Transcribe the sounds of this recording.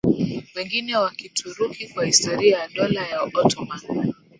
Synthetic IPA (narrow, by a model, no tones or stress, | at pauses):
wɛŋɡinɛwakitʰuɾukikwahistɔɾiajaɗɔlajaɔtɔma